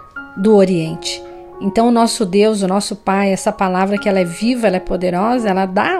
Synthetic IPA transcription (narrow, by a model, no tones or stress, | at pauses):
d̪ʊoɾiẽnt͡ʃɪ̥ | ẽt̪ɐ̃w̃ʊnɔsʊd̪ewzʊnɔsʊpajɛsɐpalavɾɐkɪɛlɐɛvivɐɛlɐɛpod̪eɾɔzɐɛlɐd̪a